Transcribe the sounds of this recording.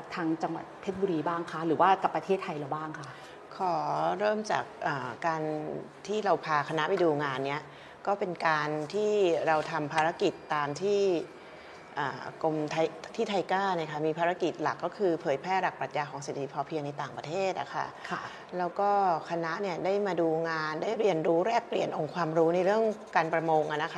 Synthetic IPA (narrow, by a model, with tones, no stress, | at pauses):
t̪ʰaː˦˧˥ŋt͡ɕa˧ŋwa˨˩t̪̚ʰːe˦˥t̪̚bu˧ɾiː˧baː˥˩ŋkʰa˦˥ɾɯː˩˦waː˥˩ka˨˩pːɾa˧t̪ʰeː˥˩t̪ʰːa˧jla˨˩wbaː˥˩ŋkʰa˥˩ | kʰɔː˩˦ɾɤː˥˩mt͡ɕa̰ː˨˩k̚ʔaː˨˩kːaː˧nt̪ʰiː˥˩ɾa˧wpʰaː˧kʰa˧na˦˥pa˧jduː˧ŋaː˧nːi˦˥ɐ | kɔː˥˩pe˧nkaː˧nt̪ʰiː˥˩ɾa˧wt̪ʰa˧mpʰaː˧ɾa˦˥ki˨˩t̪ːaː˧mt̪ʰiː˥˩ | ʔa̰ː˨˩ko˧mt̪ʰa˧jt̪ʰiː˥˩t̪ʰa˧jkaː˥˩na˧˥˩kʰa˥˩miː˧pʰaː˧ɾa˦˥ki˨˩t̪̚la̰˨˩kːɔː˥˩kʰɯː˧pʰɤː˨˩˦jpʰɾɛː˥˩ɾa˨˩kpɾa˨˩t̪̚jaː˧kʰɔː˩˦ŋse˨˩t̪ːʰi˦˥pʰɔː˧pʰi˧əŋna˧jt̪aː˨˩ŋpɾa˧t̪ʰeː˥˩t̪̚ʔa̰˨˩kʰa̰˥˩˧ | lɛː˦˥wkɔː˥˩kʰa˧na˦˥ʔni˥˩ɐdaː˥˩jmaː˧duː˧ŋaː˧ndaː˥˩jɾi˧ənɾuː˦˥ɾɛː˥˩k̚pli˨˩ənʔo˧ŋkʰwaː˧mɾuː˦˥na˧jɾɯ˥˩əŋkaː˧npɾa˧moː˧ŋʔa˨˩na˦˥kʰa˦˥˩